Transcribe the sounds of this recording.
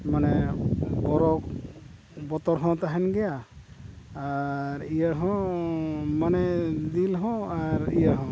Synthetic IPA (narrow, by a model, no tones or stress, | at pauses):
manɛbɔɾɔk | bɔt̪ɔɾɦɔ̃t̪aɦɛnɡɛjaː | ɾijaɦɔ̃ | manɛd̪ilɦɔ̃aɾijaɦɔ̃